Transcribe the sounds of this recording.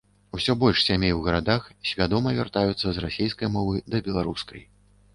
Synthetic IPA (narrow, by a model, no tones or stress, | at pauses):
usʲɔbɔlʲʂsʲamʲejwɣɐɾad̪axsʲvʲad̪ɔmɐvʲa̰rt̪ajut̪sːɐzrasʲejskɐjmɔvɨd̪ɐbʲɛlˠaɾuskʰɐj